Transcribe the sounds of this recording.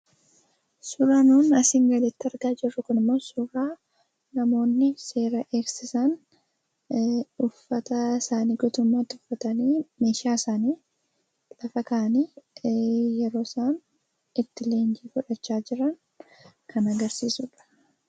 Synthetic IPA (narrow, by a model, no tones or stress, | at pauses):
sʊɾaːnuːnɐsɪŋɡɐlɪt̪ːɪɐɾɡaːd͡ʒɪrːʊkʊnɪmːo̞ːsʊɾaː | nɐmo̞ːnːɪse̞ːɾɐʔe̞ːksɪsɐn | ʊfːɐt̪ɐsaːniːɡɔt̪ʊmːaːt̪ːɪʊfːɐt̪ɐniːmeːʃaːsaːniː | lɐfɐkaːɐniː | jɛɾo̞ːsaːn | ɪt̪ːɪle̞ːnd͡ʒiːfʊᶑɛt͡ʃːaːd͡ʒɪɾɐŋ | kɐnɐɡɐɾsiːsʊᶑɐ̥